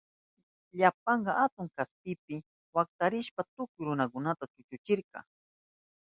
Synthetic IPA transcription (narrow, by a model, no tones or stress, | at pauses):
ʎap̚ɑɴɢɑʔat̪ʊŋkaspɪpɪ | wak̚t̪aɾɪʃpat̪ʊkʊjɾʊnakʊnat̪at͡ʃʊt͡ʃʊt͡ʃɪɾqɑ̰